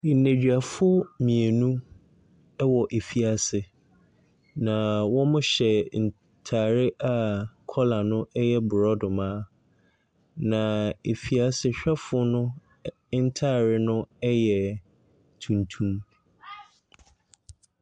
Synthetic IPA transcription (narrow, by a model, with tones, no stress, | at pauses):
ne˨d͡ʑᶣa˨fʊ˦mĩ˨e˨nũ˦ | wɔ˨ʔe˨fi˨a˨sɪ˨ | nã˨wɔ̃˦mʊ̃˦ɕɛ˨n̩˨ | tʰaː˨ɾɪ˦ʔa˨kʰɔ˦la˨nʊ̃˦ɛ˦jɛ˦bʊ˨ɾɔ˦dʊ˨mãː˦ | nã˨e˨fi˨a˨sɪ˦ɕᶣɛ˦fʊ˦nʊ̃˦ | n̩˦tʰaː˦˨ɾɪ˦nʊ̃˦ɛ˦jɛ˨ | tʰũ˨ntʰũ˦m